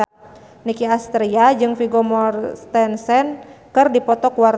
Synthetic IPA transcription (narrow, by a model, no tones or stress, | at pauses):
nikiast̪ɾiad͡ʒɨŋfiɡɔmɔrt̪ɛnsɛnkɨrdipɔt̪ɔkuwar